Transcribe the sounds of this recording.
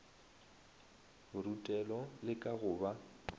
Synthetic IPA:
ʊrutʼɛlɔlɪkʼaɣʊːba

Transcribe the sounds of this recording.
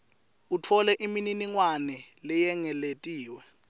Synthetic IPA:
utʰɔlɛʔimininiŋwanɛlɛjɛŋɛletʼiːwɛ

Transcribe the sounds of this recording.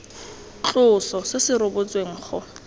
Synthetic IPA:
t͡ɬʼʊsɔsɪsɪɾʊbʊt͡sʼweŋ̩ːχʊ

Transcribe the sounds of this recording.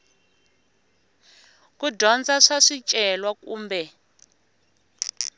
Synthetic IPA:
kudɔnd͡zaʂaʂit͡ʃʼɛlwakṵːmbɛ

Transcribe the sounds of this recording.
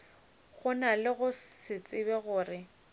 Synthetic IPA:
ɣʊnalɪɣʊsɪt͡sʼɪbɛɣʊːrɪ

